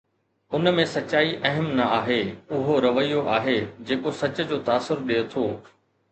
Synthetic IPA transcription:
ʊnmẽsɐt͡ɕaːiʔɐɦəmnɐaːɦeʊɦoɾɐʋəijoʔaːɦeːd͡ʑeːkosɐt͡ɕə̆d͡ʑoːt̪aːsʊɾɗeːt̪ʰoː

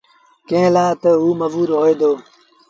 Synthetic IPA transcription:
kẽːlaːt̪əɦuːməʋuːɾɦoːeːd̪oː

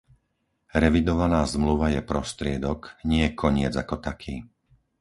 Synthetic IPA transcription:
ɾɛʋid̪ɔʋanaːzmluʋajɛpɾɔst̪ɾɪɛd̪ɔkɲɪɛkʰɔɲɪɛd͡zakɔt̪akʰiː

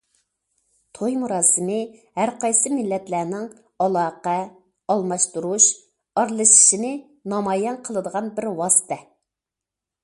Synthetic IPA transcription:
t̪ʰojmuɾɑːsɨmɪhæɾqʰɑjsɨmɪlːɛt̪lænɪŋ | ɑlˠɑːqɛ | ɑlˠmɑʃt̪uɾuʃ | ɑɾlˠɨʃi̥ʃinɪ | nɑmɑːjɛnqʰəlˠɨd̪əʁɑnbɪɾwɑsɨ̥t̪ʰɛ

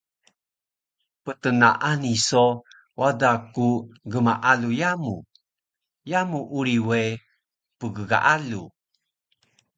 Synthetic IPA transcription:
pət̪əna̰ʔaniso | wadakuɡəmaʔalujamu | jamuʔuɾiwe | pəɡəɡa̰ʔalu

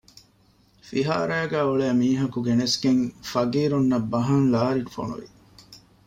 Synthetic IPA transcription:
fiɦaːɾæːɡæːoɭæːmiːɦɐkuɡenesɡeŋfɐɡiːɾunːɐbːɐɦɐŋlaːɾiʈufo̰nṵʋḭ

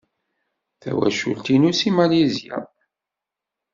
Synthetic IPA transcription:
θæ̰wæ̰ʃṵlt̪inusimalizija̰

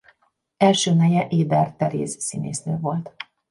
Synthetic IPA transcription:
ɛlʃøːnɛjɛʔeːb̪ɛrt̪ɛɾḛːsːinḛːsnø̰ːvo̞lt̪

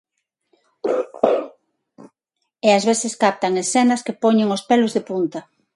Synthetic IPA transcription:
eazβeθɪskap̚t̪ɐŋesθenɐskepɔɲeŋospelʊzðepunt̪ɐ

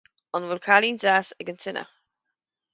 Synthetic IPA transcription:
ɔnvʊlkʰalinzasəɡəntʰɪnʔə̰

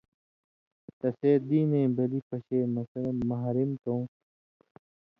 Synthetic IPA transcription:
t̪ɐseːd̪iːnẽːbɐlipɐɕeːmɐsɾmɐɦɾimt̪õː

